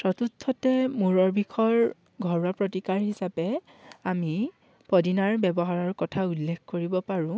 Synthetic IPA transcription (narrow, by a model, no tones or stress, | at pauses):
sɹɔtutʰːɔtɛmuɹɔɹbʱikʰɔɹ | ɡʱɔɹwapɹotikaɹɦisapɛ | ami | pɔdinaɹbɛbɔɦaɹɔɹkɔtʰaulːekʰkoɹibɔpaɹʊ̃